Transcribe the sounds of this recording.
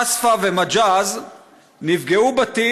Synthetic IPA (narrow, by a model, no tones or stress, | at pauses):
asfavemad͡ʒaz | nivɡeubat̪i